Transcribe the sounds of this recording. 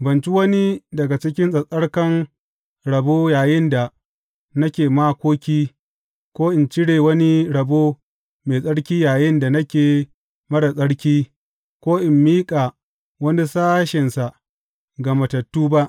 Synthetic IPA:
bɐ˨nt͡ʃi˦wɐ˦ni˦dɐ˨ɡa˨t͡ʃɪ˦k̬ʲɪ˦nsʼɐ˨sʼɐ˦ɽkɐ˦ŋ | ɽɐ˨boː˦jaː˨jɪ˦nda˨ | nɐ˦kʲeː˨maː˦kʷoː˦kʲiː˦ | kʷoː˦ʔɪ˨nt͡ʃɪ˦ɽeː˨wɐ˦ni˦ɽɐ˨boː˦ | meː˨sʼɐ˦ɽkʲiː˦jaː˨jɪ˦nda˨nɐ˦kʲeː˨ | mɐ˦ɽa˨sʼɐ˦ɽkʲiː˦ | kʷoː˦ʔɪ˨mːiː˦kʼa˨ | wɐ˦ni˦saː˦ʃɪ˨nsa˨ | ɡɐ˨mɐ˨tɐ˨tːuː˦ba˦ʔ

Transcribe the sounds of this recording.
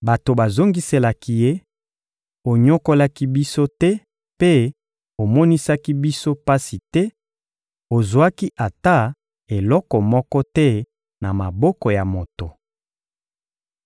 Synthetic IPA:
ba˨to˨ba˨zo˦ŋɡi˦se˦la˨ki˦je˦ | o˨ɲɔ˦ko˦la˦ki˦bi˦so˦tɛ˦ | pe˦ | o˨mɔ˦ni˦sa˦ki˦bi˦so˦pa˦si˨tɛ˦ | o˨zo˨a˦ki˦ʔa˨ta˦ | e˨lɔ˦kɔ˨mɔ˦kɔ˦tɛ˦ | na˨ma˨bɔ˦kɔ˨ja˨mo˨to˨

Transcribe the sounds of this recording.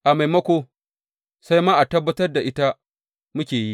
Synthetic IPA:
ʔa˨ma˨jmɐ˦kʷo˦ | sa˦jma˦ʔa˨tɐ˦bːɐ˦tɐ˦rda˨ʔɪ˦ta˦ | mʊ˦kʲeː˨ji˦ʔ

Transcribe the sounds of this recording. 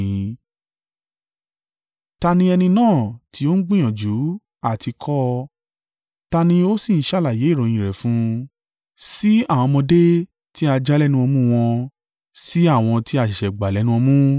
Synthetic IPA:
ta˧nĩ˧˦ɛ˧nĩ˧nãː˦˨ti˨˦o˦n̩˦ɡ͡bĩ˦j̃ã˨d͡ʒu˨˦ | a˦˨tʰi˧kʰɔ˦˧ | ta˧nĩ˦o˦si˦˨n̩˦ʃa˦˨la˨je˨˦i˦˨ɾõ˨ĩ˨ɾɛ˨fũ˨˦ | si˦a˦˨w̃ɔ̃˧mɔ̃˧de˦ | ti˦a˧d͡ʒa˦lɛ˦nũ˧o˧mũ˦˧w̃ɔ̃˧ | si˦a˦˨w̃ɔ̃˧ti˦a˧˨ʃi˨ʃɛ˨ɡ͡ba˨lɛ˨˦nũ˧ɔ̃˧mũ˦

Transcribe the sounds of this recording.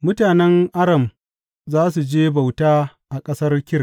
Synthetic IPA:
mʊ˦taː˨nɛ˦ŋʔa˦ɽɐ˨m | zaː˦s̬u˨d͡ʒeː˦ba˨wtaː˦ | ʔa˨kʼɐ˦sɐ˦rkʲɪ˦˨r

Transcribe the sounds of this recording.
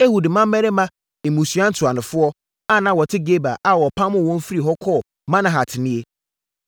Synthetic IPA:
e˦hu˨di˨mã˦mː˦ɛ˦ɾe˦mã˦ | e˨mũ˨su˨˦ã˦n̩˦tʰʊ˨a˨nʊ̃˨fʊ˦ɔ˦ | a˦˨nã˨wɔ˨tʰɪ˦ɡe˦ba̰˨ʔa˦˨wɔ˨pʰã˦mʊ̃˦wɔ̃˦m̩˦fi˦ɾi˨ɦɔ˦kʰɔː˦˨ | mã˦nã˨ɦa˨tʰɪ˨nɪ̃˦e˦

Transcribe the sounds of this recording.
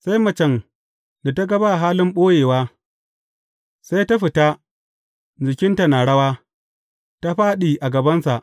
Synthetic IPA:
sa˦jmɐ˨t͡ʃɐ˨n | da˨ta˦ɡɐ˦ba˦˨ɦaː˦lɪ˦mɓoː˦jeː˨waː˦ | sa˦jta˦ɸɪ˨ta˦ | d͡ʒɪ˨kʲɪ˦nta˨naː˨ɽɐ˦waː˦ | ta˦ɸaː˦ɗiː˨ʔa˨ɡɐ˨bɐ˦nsa˨ʔ

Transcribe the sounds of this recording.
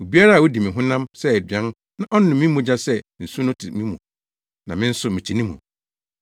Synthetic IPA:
o˨bi˦a˦ɾa˦a˨wo˦di˨mɪ̃˨ɦʊ̃˦nã˦msɛ˦˨dɥã˦n | nã˦ʔɔ˦n˦nʊ̃˨mĩ˦mũ˦d͡ʑa˦sɛ˦n̩˨su˦nʊ̃˦tʰɪ˨mĩ˦mṵ̃˨ | nã˨mɪ̃˦n̩˦sʊ˦mɪ̃˨t͡ɕʰi˨nĩ˦mṵ̃˨

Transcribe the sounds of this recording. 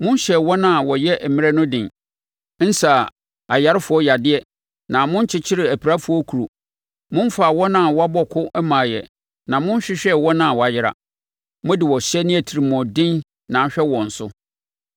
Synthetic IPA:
mʊ̃˦n˦ɕɛ˨wɔ˦nã˨wɔ˨jɛ˦ʔmɪ̃˦ɾɛ˦nʊ̃˦dɪ̃˨n˦ | n̩˦sa˨ | a˨ja˨ɾɪ˦fʊ˨˦ɔ˦ja˨dɪ˦ɛ˦ | nã˨mʊ̃˦n˦t͡ɕʰɪ˦t͡ɕʰɪ˦ɾɪ˨æ˨pʰi˨ɾa˦fʊ˨˦ɔ˦kʰu˨ɾo˨ | mʊ̃˦n˦fa˨wɔ˦nã˦˨wɔ˦a˦bɔ˦kʰʊ˦ɛ˦mãː˨jɛ˨ | nã˨mʊ̃˦n˦ɕᶣɪ˦ɕᶣɛ˦˨wɔ˦nã˦a˨wɔ˨a˨jɪ˦ɾa̰˨ | mʊ̃˦dɪ˨wɔ˨ɕɛ˦nɪ̃˦æ˨tʰi˨ɾi˨mɔ̃˨dɪ̃˦n | nã˨˦ɕᶣɛ˦wɔ̃˨n̩˨sʊ˦

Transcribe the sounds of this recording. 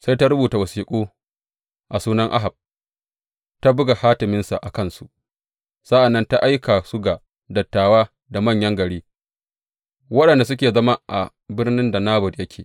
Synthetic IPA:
sa˦jta˦ɾʊ˦buː˨ta˨wɐ˨siː˨kʷʼoː˦ | ʔa˨suː˦nɐ˦ŋʔa̰˦ɦa˨b̚ | ta˦bʊ˦ɡa˨haː˦tɪ˨mɪ˦nsa̰˨ʔa˨kɐ˦˨nsu˦˨ʔ | sa˦ʔa˨nːɐ˦nta˦ʔa˦jkaː˨su˦ɡa˨ | dɐ˨tːaː˨waː˦ | da˨mɐ˦ɲjɐ˦ŋɡɐ˨ɽiː˦ | wɐ˦ɗɐ˨nda˨s̬ʊ˦kʲeː˨zɐ˦ma˦ʔa˨ | bɪ˦rnɪ˦nda˨naː˦bʊ˨djɐ˦kʲʰeː˨

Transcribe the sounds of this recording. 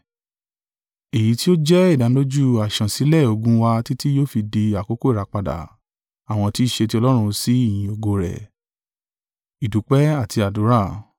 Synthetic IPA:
e˨ji˨˦ti˦o˦d͡ʒɛ˦i˦˨da˨˦lo˦d͡ʒu˦a˨ʃã˨si˨˦lɛ˦˨o˧ɡũ˦wa˧ti˦ti˦joː˦fi˧di˧a˨ko˨˦ko˦i˦˨ɾa˨˧k͡pa˧da̰˨˦ | a˦˨w̃ɔ̃˧ti˦i˦˨ʃe˧ti˧˦ɔ˧lɔ˦ɾ̃ũ˧si˨˦i˦˨j̃ĩ˧o˧ɡo˧ɾɛ̰˨ | i˨du˨˦k͡pɛ˦a˦˨ti˧a˨du˨˦ɾa˦˨

